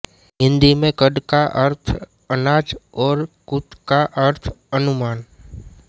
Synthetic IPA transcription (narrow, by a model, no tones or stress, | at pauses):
ɦɪ̃nd̪imẽkəɖ̪kaʔəɾt̪ʰ | ənaːt͡ʃɔːɾkʊt̪kaʔəɾt̪ʰənʊmaːn